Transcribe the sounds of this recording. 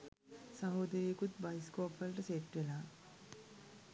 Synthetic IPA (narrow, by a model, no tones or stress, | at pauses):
sɐɦoːd̪ɐɾeːkut̪̚bɐjskoːpʋɐlʈɐseʈʋelaː